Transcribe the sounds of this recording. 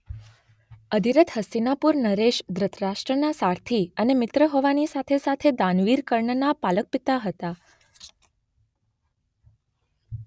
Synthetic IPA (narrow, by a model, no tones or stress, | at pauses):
əd̪ʱiɾət̪ʰɦəsinapuɾnəɾeʃd̪ɾət̪ʰɾaʃʈɾənasaɾt̪ʰiənemɪt̪ɾəɦoʋanisat̪ʰesat̪ʰed̪ãnʋiɾkəɾɳənapalək̚pit̪aɦət̪a